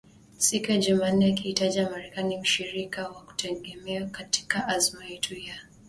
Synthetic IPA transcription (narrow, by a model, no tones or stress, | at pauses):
sikujaʄuman̩ːɛakihitaʄiamaɾɛkanim̩ʃiɾikawaku̥tʰɛɠɛmɛakati̥kaʔazmajɛtʰuija